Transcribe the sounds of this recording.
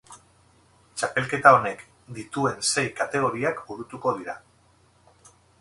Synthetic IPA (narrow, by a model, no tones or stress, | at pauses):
t͡ʃape̞lke̞t̪ao̞ne̞k | d̪it̪ue̞nse̞jkat̪e̞ɣ̞o̞ɾiakbuɾut̪uko̞ðiɾa